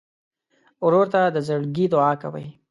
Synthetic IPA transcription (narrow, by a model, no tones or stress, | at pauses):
ʊɾoɾt̪ad̪əzəɽɡid̪ʊɑkawa̰j